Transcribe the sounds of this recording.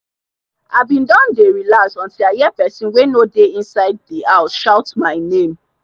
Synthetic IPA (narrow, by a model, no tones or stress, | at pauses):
avbĩndɔ̃ndeɹilasɔ̃ntilajɛpɛsĩnwenodeĩnsaɪd̚diaʊʃaʊtmaɪnẽm